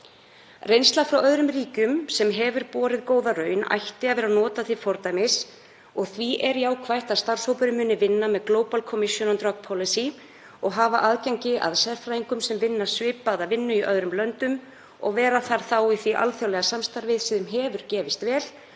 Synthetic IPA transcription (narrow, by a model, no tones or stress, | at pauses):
rejnst̪lafɾawœðɾʏmriːcʏmsɛmɦɛvʏɾpɔːɾɪðkoːwðarœːɥna̰jht̪ɪaðvɛːɾanɔːt̪aθɪ̥fɔɾt̪ajmɪs | ɔɣθviʔɛɾjaːwkʰvajht̪aðst̪ar̥showpʏɾʏmʏnːɪvɪnːamɛðkloːwpalkʰɔmɪsjɔnant̪ɾɔk̚pʰɔlɪsi | ɔɣɦaːvaʔaðcaɲcɪʔa̰ðsɛɾfɾajiŋkʏmsɛmvɪnːḁsvɪːpaðavɪnːʏiʔœðɾʏmlœnt̪ʏm | ɔ̰ɣvɛːɾaθaɾ̥θawiθviʔa̰lθjawlɛɣasamst̪aɾvɪðsɪðʏmɦɛːvʏɾ̥cɛːvɪst̪vɛːl